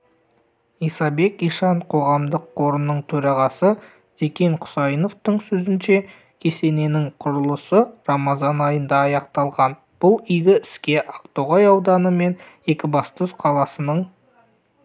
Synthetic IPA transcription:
ijsɑbe̞kijʃɑɴqʰo̞ʁɑmd̪əqʰːo̞ɾənːəɴt̪ʰɵɾɑʁɑsə | z̥e̞kʲe̞ɴqʰʊ̥sɑjəno̞ft̪əɴsɵzɪnʃe̞ | kʲʰe̞se̞ne̞nɪŋqʰʊɾəlˠəsəɾɑmɑzɑnɑjənd̪ɑːjɑqt̪ɑlˠʁɑn | b̥ʊlˠijɡʲɪɪskʲe̞ʔaqt̪oʁɑjɑwd̪ɑnəme̞n | e̞kʲɪbɑst̪əsqʰɑlˠɑsənəɴ

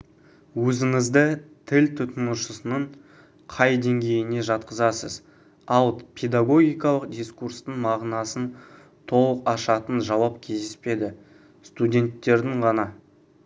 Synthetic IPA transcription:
wɵzɪŋɪzd̪ɪt̪ʰɪlt̪ʰʊt̪ənuʃəsənəɴ | qʰɑjd̪e̞ŋɡʲe̞jɪne̞ʒɑt̪̚qəzɑsəz | ɑlˠpʰe̞d̪aɡo̞ɡʲijkɑlˠəqd̪ʲiskurst̪əɴmɑʁnɑsən | t̪ʰo̞lˠəqɑʃɑt̪ənʒɑwɑpkʲʰe̞zd̪espe̞d̪ɪ | st̪udʲe̞nt̪ːe̞ɾd̪ɪɴʁɑnɑ

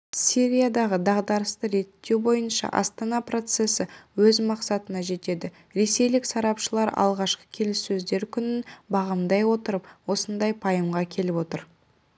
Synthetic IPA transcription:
siɾʲijad̪ɑʁəd̪ɑʁd̪ɑɾəst̪əɾe̞t̪ːe̞wbo̞jənʃɑ̰ʔɑ̰st̪ɑnɑpro̞t̪se̞sɪwɵzmɑqsɑt̪ənɑʒe̞t̪e̞d̪ɪ | ɾe̞se̞jlɪksɑɾɑpʃəlˠɑɾɑ̰lˠʁɑʃqə̥kʲʰe̞lɪsːɵzd̪e̞ɾkʲʰʏnɪnbɑʁəmd̪ɑjwo̞t̪əɾəpwo̞sənd̪ɑjpʰɑjəmʁɑkʲʰe̞lɪpwo̞t̪əɾ

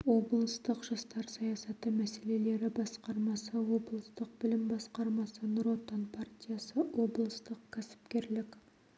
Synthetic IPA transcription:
wo̞blˠəst̪əqʒ̥ɑst̪ɑɾsɑjɑsɑt̪əmæse̞le̞le̞ɾɪbɑsqɑɾmɑsɑwo̞blˠəst̪əq̚bɪlɪmbɑsqɑɾmɑsɑnɾo̞t̪ːonpʰart̪ʲijasəwo̞blˠəst̪əqkʲʰæsɪ̥pkʲe̞ɾlɪkʲ

